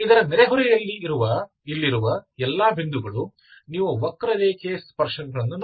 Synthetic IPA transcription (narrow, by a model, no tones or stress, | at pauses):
id̪ɐɾɐnɛɾeɦuɾɛjɐlːiːɾuʋɐ | ilːiɾuʋɐɛlːaːbʱind̪uɡɐɭu | niːʋuʋɐkːɾɐd̪eːkeːspɐɾʂɐnɡɐɾɐnːun